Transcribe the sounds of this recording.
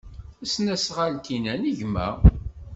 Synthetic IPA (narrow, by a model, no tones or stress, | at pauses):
æsnæsʁalt̪inæniʝmæ̰